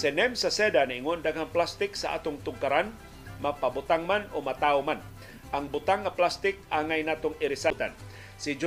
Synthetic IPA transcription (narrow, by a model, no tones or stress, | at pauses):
sɛnɛmsasɛdanaiŋʊndaɡaŋplast̪ɪksa̰ʔa̰t̪ʊŋt̪uŋkaɾan | mapabut̪aŋmanumat̪auman | aŋbut̪aŋːaplast̪ɪk̚aŋajnat̪ʊŋiɾisat̪an | sid͡ʒ